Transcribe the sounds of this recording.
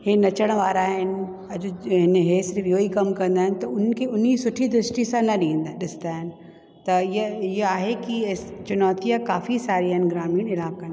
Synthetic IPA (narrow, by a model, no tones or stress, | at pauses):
ɦenɐt͡ʃəɽ̃ʋaːɾaːɦɪnɪ̆ | ɐd͡ʑɦɪnɦesɪɾfjoːikɐmkɐ̃nd̪aːɦɪnɪt̪ɐʊn̤nkʰeʊnisʊʈʰid̪ɾɪsʈisãnɐɗĩːnd̪aɗɪsɪ̥nt̪aːɦɪnɪ̆ | t̪ɐɪjɪɦaːɦekist͡ʃʊnɔːt̪ijakaːfisaːɾiəɦn̆ɡɾaːmiːɽ̃ɪlaːb̚kɐ̃n